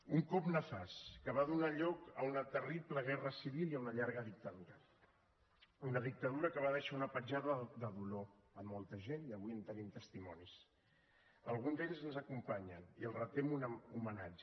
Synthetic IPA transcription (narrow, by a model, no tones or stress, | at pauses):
uŋkɔpnəfaskəβaðunaʎɔkə̰unət̪əripləɣ̞ɛrəsiβilˠiəunəʎaɾɣəðik̚t̪əðuɾə | unəðik̚t̪əðuɾəkəβaðɛʃəunəpəd͡ʒaðəd̪əðuloəmːɔlˠt̪əʒeniəβuiənt̪ənimt̪əst̪imɔnis | əlˠɣ̞unzeʎzənzəkumpaɲəniəlˠrət̪emunumənad͡ʒə